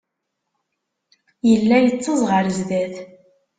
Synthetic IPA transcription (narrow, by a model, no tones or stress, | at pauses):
jəlːæjət͡sːəzˤʁəɾzðæθ